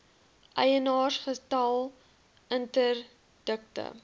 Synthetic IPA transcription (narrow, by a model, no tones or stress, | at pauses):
ʔɐjənɑːrχətɐlˠ | əntər | d̥ək̚tə̰